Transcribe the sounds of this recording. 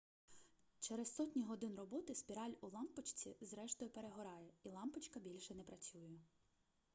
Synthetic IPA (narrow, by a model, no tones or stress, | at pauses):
t͡ʃɛɾessɔtʲnʲiɦɔd̪ɪnrɔbɔt̪ɪspʲiɾɑlʲʊlˠɑmpɔt͡ʃt͡sʲizɾɛʃt̪ɔjʊpeɾeɦɔɾɑjɛilˠɑmpɪt͡ʃkɐbʲilʲʃɛnɛpɾɐt͡sʲujɛ